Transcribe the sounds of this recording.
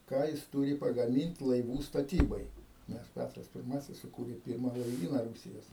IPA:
ˈkɑː jɪs ˈtuːrʲɪ pɐɡɐˈmʲɪnʲtʲ lˠɐɪˈʋuː stɐˈtʲiːbɐɪ nʲɛs ˈpʲætrɐs pʲɪrˈmɑːsʲɪs sʊˈkuːrʲeː ˈpʲiːrmɐ lˠɐɪˈʋʲiːnɐ ˈruːsʲɪjoːs

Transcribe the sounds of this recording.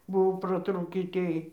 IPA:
ˈbʊʋoː prɐˈtruːkʲiː ˈtʲeːj

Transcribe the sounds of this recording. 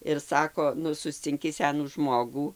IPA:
ɪr ˈsɑːkoː ˈnʊ sʊsʲt͡sʲɪŋʲˈkʲɪ ˈsʲæːnuː ˈʒmoːɡuː

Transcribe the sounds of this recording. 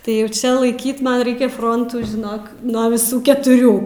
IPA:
tɐɪ ˈjɛʊ ˈt͡ʃʲɛ lˠɐɪˈkʲiːt ˈmɐn ˈrɐɪkʲɛ ˈfroːntuː ʒʲɪˈnoːk nuɔ ʋʲɪˈsuː kʲɛtʊˈrʲuː

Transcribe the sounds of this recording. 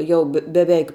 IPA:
ˈjɛʊ bʲɛ bʲɛˈʋʲɛɪk

